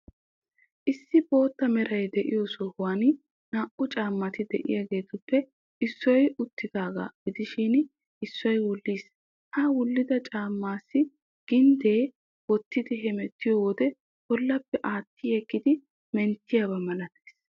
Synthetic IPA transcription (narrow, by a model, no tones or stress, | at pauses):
ʔɪsːɪbo̞ːt̪ːɐmɛɾɐjd̪ɛʔɪ̰josɔhʊwaːn | naːʔʊt͡ʃʼaːmːɐt̪ɪd̪ɛʔɪ̰jaɡe̞ːt̪ʊpːɛ | ɪsːɔjʊt̪ːɪd̪aːɡa̰ːɡ̥ɪd̪ɪʃɪn | ɪsːɔjwʊlːiːs | hɐwʊlːɪd̪ɐt͡ʃʼaːmːaːsːɪ | ɡ̥ɪnd̪e̞ː | wɔt̪ːɪd̪ɪɦɛmɛt̪ːɪjoːwɔd̪ɛ | bɔlːɐpːɛʔaːt̪ːɪjɛkːɪd̪ɪ | mɛnt̪ːɪjabɐmɐlɐt̪ɐjs